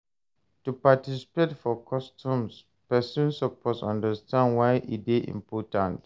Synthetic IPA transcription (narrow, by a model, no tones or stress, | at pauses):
tupatisi̥petfɔkʰɔstʰũms | pɛsũnsɔpʰɔsɔ̰̃ndəstʰãndwaɪʔḭdeʔḭ̃mpʰɔtãnt